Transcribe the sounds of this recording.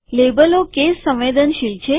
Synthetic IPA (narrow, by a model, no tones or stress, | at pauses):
lebəlokesːə̃mʋed̪ənʃijt͡ʃʰe